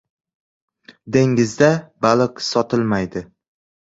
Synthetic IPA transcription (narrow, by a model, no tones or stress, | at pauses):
d̪e̞ŋɪzd̪abalɨqsɒt̪ʰɪlmajd̪ɪ